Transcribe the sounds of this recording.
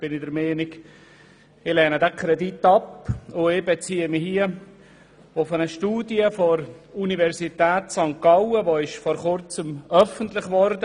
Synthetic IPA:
b̥ɪnɪdəɾmeːnɪɡ | ɪlɛːnədɛkʰɾɛditːɑpʊɪbɛt͡siːəmɪhiə | ʊfənəʃtuːdjəfoɾunivɛɾsit̪ɛːt̪sɑŋkɑwəvoɪʃfɔɾχʊɾt͡səmœfəntlɪχvɔɾdə

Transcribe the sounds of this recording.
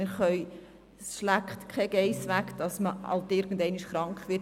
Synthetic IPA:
ɪɾχœʏ | sʃlæktkʰɛɡ̥ɛɪsʋækd̥ɑsməɑ̰ltɪɾɡ̥ən̩dɛɪniʃχɾɑŋkχʋɪ

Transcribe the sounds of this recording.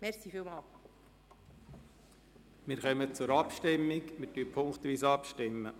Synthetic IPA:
mɛɾsiːfiːlmɑːl | mɪɾχœmət͡sʊɾɑpʃtɪmːɪɡmɪɾtyəpʰʊŋktʋiːsɑpʃtɪmːə

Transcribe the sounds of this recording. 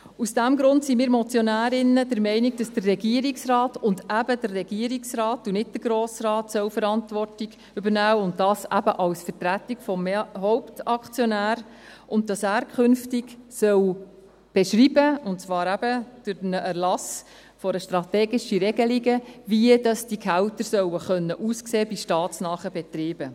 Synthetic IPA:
usd̥æmɡɾʊntsimiːɾmɔt͡sjɔnæːɾɪnːədəɾmɛɪnɪɡ̚d̥ɑsd̥ərːɛɡiəɾiksrɑːtʊndæbədərːɛɡiəɾiksɾɑːtunɪt̚d̥əɡɾoːsɾɑːtsœwfəɾɑntvʋɔrtiɡ | ʏbəɾnæːʊntdɑːsæbəʔɑwsfətɾætɪkfɔmeɦɔʊptɑkt͡sjɔnæːɾ | ʔʊnt̚dɑsæːɾkʰχʏnftɪɡsœw | b̥ɛʃɾiːbəʊntt͡svɑːɾæb̥əd̥ʊɾnəʔæɾlɑs | fɔɾəʃtɾɑt̪eːɡɪʃiɾɛɡəliɡəviədɑsd̥ikʰæwtəɾsœwəχœnːəʔuːskseːbiʃtɑːtsnɑːχəbɛtɾiːbə

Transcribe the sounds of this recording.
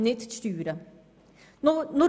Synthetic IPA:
nɪt̪st̪yːɾə | nʊɾ

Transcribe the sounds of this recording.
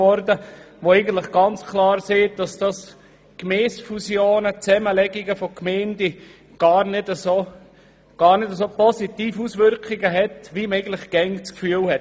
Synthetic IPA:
ɔɾdə | ʋoɛɪɡən̩t̪lɪχɡ̥ɑnt͡skʰlɑːɾseːd̥ɑsd̥ɑs | kmɛːsfusjoːnət͡sɛməlɛɡiɡəfɔkmɛɪndi | ɡ̥ɑːɾnɪdəso | ɡ̥ɑːɾnɪdəs̬oːpɔsitiːfusʋʏɾkɪɡəɦɛtʋiməɛɪɡən̩tləχɡ̥ɛnt͡skfyːəlhɛt

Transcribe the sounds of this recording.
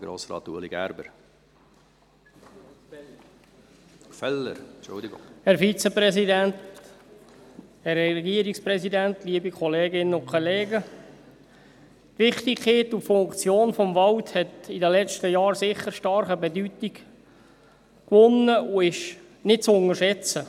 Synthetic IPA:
ɡ̥ɾo̰ːsɾɑ̰ːt̪ṵəlḭɡæ̰ɾbəɾ | fɛlːə̰ɾt͡ʃʊ̰ld̪ɪɡŋhɛɾfit͡səprɛsidænt | hɛrɛɛɡiːəɾiksprɛsidænt̪liəbikʰɔleːɡɪnəʊkʰχɔleːɡə | tʋɪχt̪ikʰeːtufʊŋkt͡sjoːnfɔmvɑlthɛtidəlɛt͡ʃtəjɑːɾsɪχːəɾʃtɑɾχəbɛdytiɡ | kʋʊnːəʊɪʃ | nɪt̚t͡sʊŋəʃɛt͡sə

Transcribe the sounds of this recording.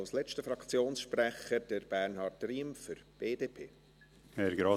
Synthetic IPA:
lslɛt͡ʃtəfɾɑkt͡sjoːnsʃprɛχəd̥əɾb̥æɾnhɑɾtriːmfʏɾb̥eːdeːpʰeː | ɛɾɡɾɑ

